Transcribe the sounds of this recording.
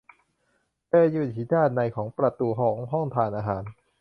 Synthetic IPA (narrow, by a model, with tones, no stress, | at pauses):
tɤː˧juː˨˩n̚t͡ɕʰiː˩˦daː˥˩nnːa˧jkʰɔː˩˦ŋpɾa˨˧˩t̪uː˧ɦɔː˩˦ŋɦɔ˥˩ŋt̪ʰaː˧nʔaː˧ɦaː˩˦n